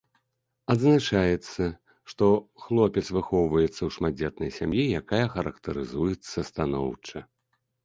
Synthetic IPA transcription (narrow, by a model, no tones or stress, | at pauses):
ɐd̪znat͡ʂajɛt̪sːɐ | ʂt̪ɔxlˠɔpʲɛt̪svɨxɔwvɐjɛt̪sːɐwʂmad͡zʲɛt̪̚nɐjsʲamjijakajɐxɐɾɐkt̪ɐɾɨzujɛt̪sːɐst̪anɔ̰wt͡ʂɐ